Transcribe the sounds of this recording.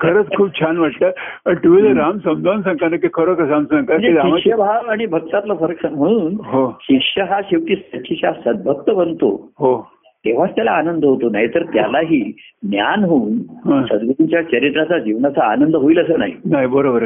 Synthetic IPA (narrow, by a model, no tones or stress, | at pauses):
kʰəɾət͡skʰuːb̚t͡ɕʰanʋaʈt̪əːəɾʈ̪uʋiləɾamsəmd͡zʱansə̃ŋkanəkikʰəɾəkəsamsãŋkaəd͡ʑeeaiaʂəbʱaʋaɽ̃ibʱək̚t̪at̪lafəɾəksəm̤əɽ̃uːnɦoɕikʂəɦaɕiʋʈ̪iːst̪əɕiɕasəd̪̚bʱək̚t̪əbənt̪o̰ɦo | t̪eʋ̤at͡st̪jalaːnənd̪əɦot̪onaɦit̪əɾt̪ja̰laɦiːnja̰nɦounɦə̃səd̪ɡuɾuɲt͡ɕjat͡ɕəɾit̪ɾat͡sad͡ʑiʋnat͡sa̰ːnənd̪əɦoiləsəːna̰ɦḭnaɦibəɾobəɾ